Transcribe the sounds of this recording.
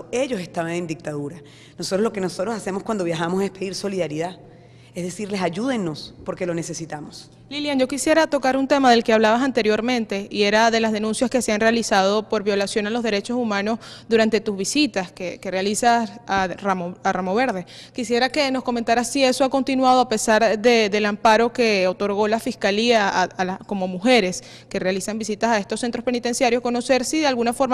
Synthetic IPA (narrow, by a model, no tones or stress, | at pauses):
e̞ʝo̞se̞st̪aβanẽ̞nd̪ik̚t̪aðuɾa | nosot̪ɾoloke̞no̞so̞t̪ɾosase̞moskwand̪o̞βjaxamo̞sespe̞ðiɾso̞liðaɾiða | ezðe̞siɾle̞saʝuðe̞nːo̞spo̞ɾke̞lone̞se̞sit̪amos | liljand͡ʒo̞kisje̞ɾat̪o̞kaɾunt̪e̞maðe̞lke̞aβlaβas̬ant̪e̞ɾjo̞ɾmẽ̞nt̪e̞ie̞ɾaðe̞lazð̞e̞nũnsjaskeseanre̞alisað̞o̞po̞ɾβjo̞lasjo̞nalo̞zð̞e̞ɾe̞t͡ʃo̞sumãno̞sðuɾant̪e̞t̪uzβisit̪askeke̞realisasaramoaramo̞βe̞ɾðe̞kisje̞ɾake̞no̞sko̞ment̪aɾasːie̞so̞ako̞nt̪inwað̞o̞ape̞saɾðe̞d̪e̞lampaɾo̞ke̞o̞t̪o̞ɾɣ̞o̞lafiskaliaalako̞mo̞muxe̞ɾe̞s | ke̞realisambisit̪asae̞st̪osːe̞nt̪ɾospe̞nit̪e̞nsjaɾjo̞sko̞no̞se̞ɾsiðealɣunafo̞ɾm